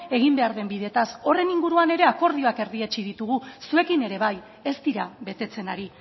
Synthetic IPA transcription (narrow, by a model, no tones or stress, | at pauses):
e̞ɣ̞imbe̞aɾðe̞mbiðe̞t̪aso̞re̞niŋɡuɾuane̞ɾe̞ako̞ɾðio̞ake̞ɾðiet͡ʃiðit̪uɣ̞usue̞kine̞ɾe̞βaj | e̞st̪iɾaβe̞t̪e̞t͡se̞naɾi